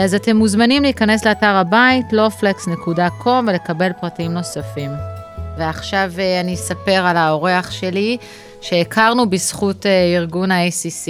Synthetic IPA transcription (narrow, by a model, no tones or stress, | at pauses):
azate̞mːuzmanimliːkane̞sleataʁabaitlo̞fleksnekudakʰo̞mvele̞kabe̞lpʁatiimno̞safimveaχʃaveanisape̞ʁalao̞ʁe̞aχʃe̞li | ʃeːkʰaʁnubisχuteiʁɡunaejsisi